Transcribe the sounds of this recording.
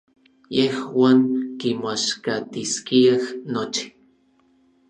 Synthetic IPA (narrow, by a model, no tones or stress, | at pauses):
jehwaːŋkimaʃkat̪iskiahnot͡ʃi̥